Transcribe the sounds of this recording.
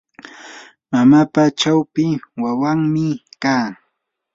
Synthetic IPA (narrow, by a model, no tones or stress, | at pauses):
mamapat͡ʃawpɪwawaŋmɪkaː